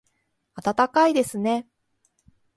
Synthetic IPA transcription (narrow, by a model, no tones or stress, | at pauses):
at̪at̪akaid̪e̞sɨne̞